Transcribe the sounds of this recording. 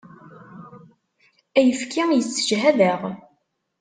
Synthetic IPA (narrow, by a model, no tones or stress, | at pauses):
æjəfkʰijət͡sːəʒɦæðəʁ